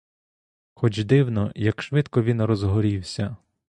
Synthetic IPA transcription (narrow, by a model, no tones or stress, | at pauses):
xɔt͡ʃd̪ɪwnɔjɐkʃʋɪt̪kɔʋʲinrɔzɦɔɾʲiwsʲɐ